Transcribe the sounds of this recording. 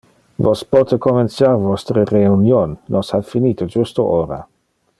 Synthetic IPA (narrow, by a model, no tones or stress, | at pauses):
vospɔt̪əkomensjarvɔst̪ɾəreunjonːɔsafiniːt̪od͡ʒust̪oʔoːɾa̰